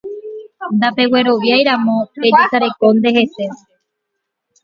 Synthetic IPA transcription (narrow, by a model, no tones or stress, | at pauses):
nd̪ape̞we̞ɾo̞ʋjajɾamõ̞ed͡ʒisaɾe̞ko̞nd̪e̞he̞se